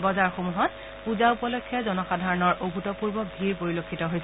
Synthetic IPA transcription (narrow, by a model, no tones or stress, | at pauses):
bɔzaɹxomuɦɔt̚ | puzaupɔlɔjkʰːjɔzɔnɔxadʱaɹɔnɔɹʔobʱutɔpuɹbɔbʱiɹpoɹilokʰːitɔɦojsɛ